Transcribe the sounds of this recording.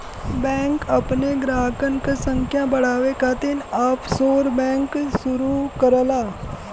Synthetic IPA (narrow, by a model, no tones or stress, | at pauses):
bɛ̃ːŋkɐpneɡɾaːkənkesə̃ŋkʰjãbɐɽ̤aːʋekat̪ɪnaːpsoːɾbɛ̃ːŋksʊɾukəɾlaː